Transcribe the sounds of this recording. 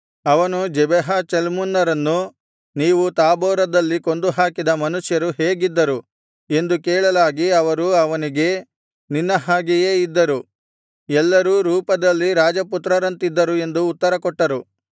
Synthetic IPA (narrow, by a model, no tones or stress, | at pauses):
ɐʋɐnud͡ʒɛbɛɦɐt͡ʃelmunːɐɾɐnːu | niːʋut̪aːbɔːɾɐd̪ɐlːiko̞nd̪uɦaːkid̪ɐmɐnuʂjɐɾuɦeːɡid̪ːɐɾu | e̞nd̪ukɛːɭɐlaːɡiɐʋɐɾuɐʋɐniɡe̞ | ninːɐɦaːɡije̞ːid̪ːɐɾu | ɛlːɐɾuːɾuːpɐd̪ɐlːiɾaːd͡ʒɐput̪ɾɐɾɐnt̪id̪ːɐɾue̞nd̪uːt̪ːɐɾɐkɔʈːɐɾu